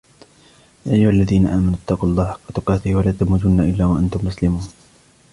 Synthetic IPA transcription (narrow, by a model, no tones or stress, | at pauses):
jaːʔajːʊhalːaðiːnaʔaːmanʊʔt̪ːɑquːʔɑlˤːɑːhħɑ̥qːɑt̪ʊqɑːt̪ɪhwalaːt̪amʊd͡ʒʊnːaʔɪlːaːwaʔant̪ʊmːʊslɪmuːn